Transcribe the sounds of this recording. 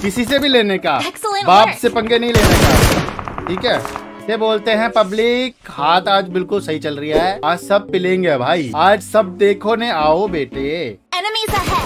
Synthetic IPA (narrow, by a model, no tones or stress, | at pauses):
kɪsisebʱileːnekaːbaːpsepɐ̃ŋɡenɐɦĩleːnekaːʈʰiːkɦɛː | seboːlt̪eɦɛ̃pɐblɪk | haːt̪aːd͡ʒbɪlkʊlsɐɦit͡ʃɐlɾɐjaɦɛːaːd͡ʒsɐb̚pɪlẽːŋɡebʱaːiaːd͡ʒsɐb̚d̪eːkʰoneaːobeːʈe | nmi